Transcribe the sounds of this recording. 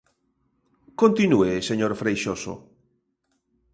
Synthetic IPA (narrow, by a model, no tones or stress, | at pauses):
kõnt̪inueseɲoɾfɾejʃoso̰